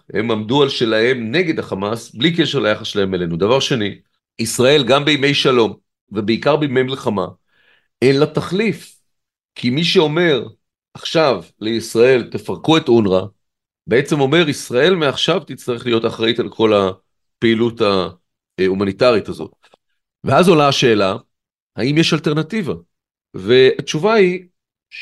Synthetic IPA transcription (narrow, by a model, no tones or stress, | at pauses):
he̞̰mamdualʃe̞lahe̞mne̞ɡe̞d̪aχamasblik̬e̞ʃeʁlajaχasʃelahe̞mele̞nud̪avaʁʃe̞ni | isʁae̞lɡambeime̞jʃalo̞m | vebeikaʁbejme̞jmilχama | enlataχlif | kʰimiʃeo̞me̞ʁ | ʔaχʃavle̞isʁae̞lt̪e̞faʁkue̞t̪unʁa | be̞et͡semo̞me̞ʁisʁae̞lmeaχʃavt̪it͡st̪aʁeχlijo̞taχʁaitalkʰo̞la | peiluta | umanitaʁitazo̞̰t̚ | veazolaːʃe̞ːla | haimjeʃalte̞ʁnativa | ve̞at͡ʃuvai